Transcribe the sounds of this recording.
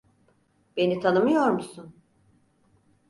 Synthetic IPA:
be̞nit̪ʰanɯmɯjo̞ɾmusun

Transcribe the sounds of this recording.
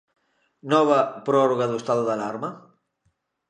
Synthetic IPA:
nɔβɐpɾɔɾoɣaðoest̪aðoðalaɾmɐ

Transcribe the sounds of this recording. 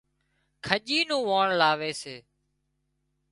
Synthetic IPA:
kʰəʄiːnũːʋaːɳlaːʋeːseː

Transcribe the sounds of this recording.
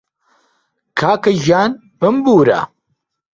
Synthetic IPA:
kʰaːkɐʒaːn | bɨmbuːɾa̰

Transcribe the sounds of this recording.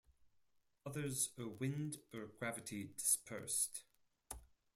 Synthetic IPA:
ʌðə˞zəwɪ̃ndəɡ̥ɹavɨtʰidɪ̥spʰɜ̰ˑ˞st

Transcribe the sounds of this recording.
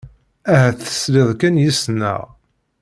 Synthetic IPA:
æɦæθə̥sliðˤkænjisnə̰ʁ

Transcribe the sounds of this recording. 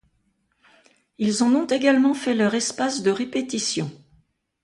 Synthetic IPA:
ilzɔ̃nɔ̃t̪eɡalmɑ̃fɛlœʁɛspasd̪əʁepet̪isjɔ̃

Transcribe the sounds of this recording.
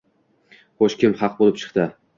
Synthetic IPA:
χoʃkʲɪmhɑq̚bolɪp̚t͡ʃʰɨ̥qt̪ɪ

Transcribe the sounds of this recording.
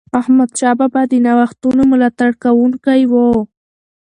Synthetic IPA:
ahmad̪ʃababad̪ɪnawaxt̪unomʊlat̪aɽkawʊŋkajwo

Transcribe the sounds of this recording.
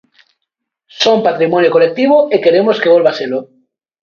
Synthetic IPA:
sompat̪ɾimonjokolek̚t̪iβ̞oeke̞ɾemoskeβolβaselo

